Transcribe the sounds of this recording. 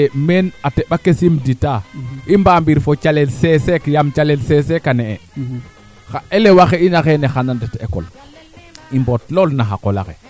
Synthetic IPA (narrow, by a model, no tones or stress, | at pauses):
menatebakesimditaimbambiɾfot͡ʃalelsesekjamt͡ʃalelsesekaneḛ | xaʔelewaxeinaxenexanandeteko̰l | imbotlolnaxa̰kola̰xḛ